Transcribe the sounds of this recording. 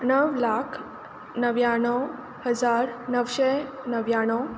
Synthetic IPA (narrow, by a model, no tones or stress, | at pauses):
nəʋlakʰ | nəʋjaɽ̃ɔ | həd͡zaɾnəʋɕe | nəʋjaɽ̃ɔ